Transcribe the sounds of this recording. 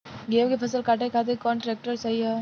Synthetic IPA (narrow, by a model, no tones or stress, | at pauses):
ɡeːmkepʰɐsəlkaːʈekʰaːt̪eɾkɔːnʈɾeːk̚ʈəɾsɐɦiɦɛ